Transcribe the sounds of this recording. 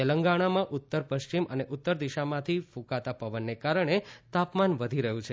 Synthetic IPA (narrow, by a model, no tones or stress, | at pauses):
eləŋɡaɽ̃amãʔʊt̪ːəɾpəʃt͡ʃimʔəneʔʊt̪ːəɾd̪iʃamãt̪ʰifũkat̪apəʋənːekaɾəɳ̃et̪apmanʋəd̪ʱiɾəɦũt͡ʃʰe